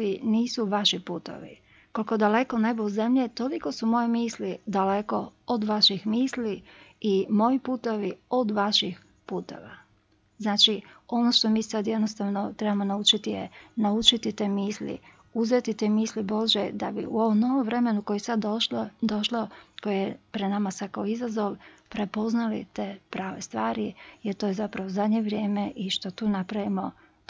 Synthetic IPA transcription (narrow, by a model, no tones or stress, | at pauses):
iniːsuʋaʃipuːt̪o̰ʋḭ | ko̞likod̪ale̞kone̞bouze̞mʎet̪o̞liko̞sumo̞jemiːslid̪ale̞ko̞od̪ʋaʃixmiːsliimo̞jipuːt̪oʋiod̪ʋaʃix | puːt̪o̞̰ʋa | znaːt͡ʃio̞no̞ʃt̪o̞miːsad̪jed̪nost̪aːʋnot̪ɾebamo̞naut͡ʃit̪ijḛnaut͡ʃit̪it̪e̞ːmiːslḭ | uzet̪it̪eːmiːslibo̞ʒed̪abḭuo̞ʋomnoʋomʋɾe̞me̞nuko̞jesad̪d̪o̞ʃloko̞jejepɾed̪namasad̪kaoizazo̞ʋpɾe̞po̞znalḭt̪e̞ːpɾaːʋest̪ʋaːɾijeɾt̪ojezapɾaʋozad̪ɲeʋɾje̞ːme̞ʔiʃt̪o̞t̪uːnapɾaʋimo̞